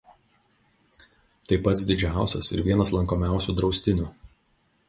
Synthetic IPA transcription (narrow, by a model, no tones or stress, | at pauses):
t̪ɐɪpːɐt̪sd̪ʲɪd͡ʒʲæˑʊsʲɛ̰sɪ̰ɾʋʲiɛnɐslˠɐŋkoːmʲæˑʊsʲud̪ɾɒʊsʲt̪ʲɪnʲu